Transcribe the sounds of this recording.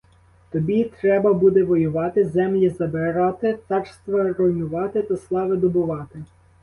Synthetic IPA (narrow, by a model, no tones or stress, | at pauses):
t̪ɔbʲit̪ɾɛbɐbud̪ɛʋɔjʊʋɑt̪ɪzɛmlʲizɐbɪɾɑt̪ɪt̪ɑrst̪ʋɐɾɔjnʊʋɑt̪ɪt̪ɐslˠɑʋɪd̪ɔbʊʋɑt̪ɪ